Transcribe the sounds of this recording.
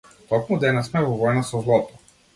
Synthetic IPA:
t̪ɔkmud̪ɛnasmɛvɔvɔjnasɔzlˠɔt̪ɔ̥

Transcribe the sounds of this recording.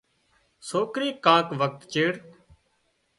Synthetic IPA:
soːkɾiːkãːkʋək̚t̪t͡ʃeːɽ

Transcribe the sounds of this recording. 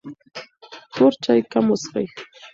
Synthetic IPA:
tʊɾt͡ʃajkamʊsɢɑj

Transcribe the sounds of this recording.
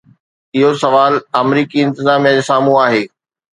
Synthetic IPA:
ɪɦosɐʋaːlɐmɾiːkiɪ̃nt̪ɪzaːmijad͡ʑesaːmũaːɦeː

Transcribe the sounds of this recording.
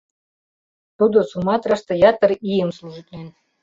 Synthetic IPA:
t̪ud̪ŏsumɑt̪ɾɑʃt̪ɤ̆jɑt̪ə̆rijəmslˠuʒit̪ʲlʲen

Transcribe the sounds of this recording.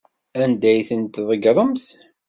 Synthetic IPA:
ænd̪æjθənt̪ðˤəɡɾˤəmθ

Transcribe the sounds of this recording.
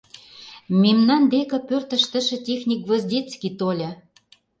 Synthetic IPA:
memnɑnd̪ekɤ̆pørt̪ə̆ʃt̪ə̆ʃə̆tʲexnʲik̚ɡvɤ̆zdʲet͡skit̪olʲɤ̆

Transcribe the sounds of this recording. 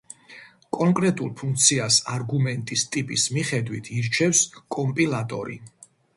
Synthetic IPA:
kʼɔŋkʼɾɛt̪ʼṵlˠpʰuŋk̚ʰt̪sʰiasaɾɡumɛnt̪ʼist̪ʼipʼismiχɛd̪wit̪ʰiɾt͡ʃʰɛfskʼɔmpʼilˠat̪ʼɔ̰ɾḭ

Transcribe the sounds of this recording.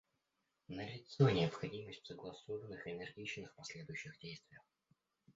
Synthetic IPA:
nəɾʲɪt̪sonʲɪɐpxɐdʲiməsʲtʲsəɡlˠɐsovənːɨxɪnʲɛrɡʲit͡ɕnɨxpɐsʲlʲed̪ʊjʉɕːɪɣdʲejst̪vʲɪjəx

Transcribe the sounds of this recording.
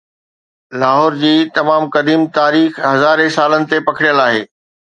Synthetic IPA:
laːɦɔːɾd͡ʑiːt̪ɐmaːmkɐd̪iːmt̪aːɾiːxɦɐzaːɾesaːlənɪ̆t̪epɐkʰɪɽjəlaːɦeː

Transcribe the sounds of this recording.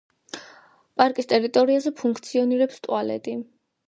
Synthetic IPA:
pʼaɾkʼist̪ʼɛɾit̪ʼɔɾiazɛpʰuŋkʰt̪sʰiɔniɾɛpst̪ʼwalɛ̰t̪ʼi

